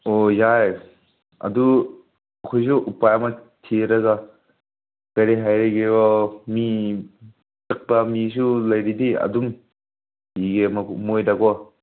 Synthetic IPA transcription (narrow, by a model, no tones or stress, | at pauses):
ojaj | ɐ̰du | ɐkʰɔjs̬uʔupajama | tʰiɾaɡa | kaɾiɦajɾeɡebɔmi | tɐk̚bamis̬ulɐjɾidiɐ̰dum | iɡemamojdaɡɔ